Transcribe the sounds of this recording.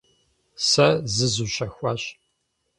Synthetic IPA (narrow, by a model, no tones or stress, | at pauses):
sɐzɨzuːɕɐxʷaːɕ